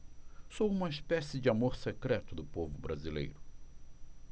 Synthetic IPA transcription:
sowũmɐispɛsɪd͡ʒɪamoɾsekɾɛt̪ʊd̪ʊpovʊbɾazilḛjɾʊ

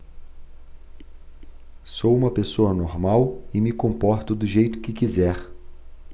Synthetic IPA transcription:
sowũmɐpesoɐnoɾmawɪmɪkõmpɔɾt̪ʊd̪ʊʒejt̪ʊ̥kɪkizɛɾ

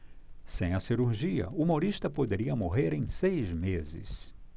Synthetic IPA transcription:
sẽj̃ɐsiɾuɾʒiɐ̰uumoɾiʃt̪ɐpod̪eɾiɐmoɦeɾẽj̃sejzmezɪ̰s

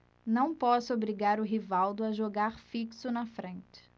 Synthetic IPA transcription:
nɐ̃w̃pɔsʊobɾiɡaɾʊɦivawd̪ʊaʒoɡaɾfiksʊnɐfɾẽnt͡ʃɪ̥

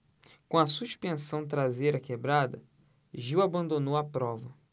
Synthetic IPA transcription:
kõɐsuʃpẽsɐ̃w̃t̪ɾazejɾɐkebɾad̪ɐ̰ | ʒiwabɐ̃nd̪onowɐpɾɔvɐ

